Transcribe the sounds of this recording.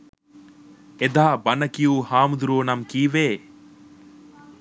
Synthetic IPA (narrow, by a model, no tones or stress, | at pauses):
ed̪aːbɐnɐkijuːhaːmud̪uɾuːnɐmkiːʋeː